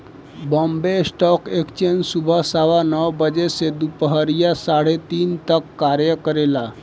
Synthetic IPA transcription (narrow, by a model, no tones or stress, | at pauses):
bɔmbesʈɔkekt͡ɕensubʱəsaʋanəʋbəd͡ʑesed̪upəɦəɾjasaɽ̤et̪iːnt̪əkːaɾjəkəɾela